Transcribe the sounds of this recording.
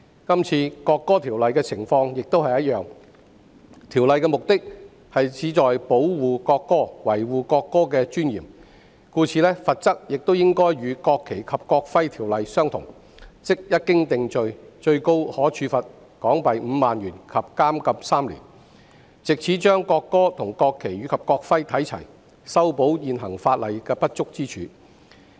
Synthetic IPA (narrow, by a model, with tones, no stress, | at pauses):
kɐ˥mt͡sʰiː˧kɔː˧kːɔː˥t̪ʰiː˨˩wlɐ˨jkɛː˧t͡sʰɪ˨˩ŋfɔː˧ŋjɪ˨k̚t̪o˥whɐ˨jɐ˥t̚jœː˨˧ŋ | t̪ʰiː˨˩wlɐ˨jkɛː˧mʊ˨k̚t̪ɪ˥k̚ | hɐ˨jt͡sʰiː˨˥t͡sɔː˨jpo˨˥wwuː˨kɔː˧kːɔː˥wɐ˨˩jwuː˨˩kɔː˧kːɔː˥k̬ɛː˧t͡ʃyː˥njiː˨˩m | kuː˧t͡sʰiː˧lɛ˥fɐ˨t̚t͡sɐ˥k̚jɪ˨k̚t̪o˥wjɪ˥ŋkɔː˥jɥyː˨˧kɔː˧kʰːe˨˩jkʰɐ˨p̚kɔː˧k̚fɐ˥jt̪ʰiː˨˩wlɐ˨jsœː˥ŋt̪ʰʊ̰˨˩ŋ | t͡sɪ˥k̚jɐ˥t̚kːɪ˥ŋt̪ɪ˨˧ŋt͡sɵ˨˧ɥt͡ʃɵ˧ɥko˥whɔː˨˥t͡ʃʰyː˨˧fɐ˨t̚ | kɔː˨˥ŋpɐ˨jm̩˨˧˦maː˨nɥyː˨˩nkʰɐ˨p̚kaː˥mkɐ˨p̚saː˥mlḭː˨˩n | t͡sɪ˨k̚t͡sʰiː˨˥t͡ʃœː˥ŋkɔː˧kːɔː˥t̪ʰʊ˨˩ŋkɔː˧kʰːe˨˩jyː˨˧kʰɐ˨p̚kɔː˧k̚fɐ˥jt̪ʰɐ˨˥jt͡sʰɐ˨˩j | sɐ˥wpo˨˥wjiː˨nɦɐ˨˩ŋfaː˧t̚lɐ˨jkɛː˧pɐ˥t̚t͡sʊ˥k̚t͡siː˥t͡ʃʰyː˨˧